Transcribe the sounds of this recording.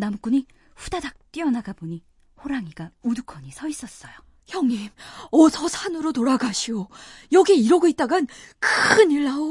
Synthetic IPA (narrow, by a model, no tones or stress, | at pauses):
namuk͈uɲi | ɸudadak̚t͈ɥiʌnaɡaboɲi | ɸoɾaŋiɡaudukʰʌɲisʰʌis͈ʌs͈ʌjo | çjʌŋɲimʌsʰʌsʰanɯɾotoɾaɡaɕʰiojʌɡeiɾʌɡoit̚t͈aɡankɯɯniɭːao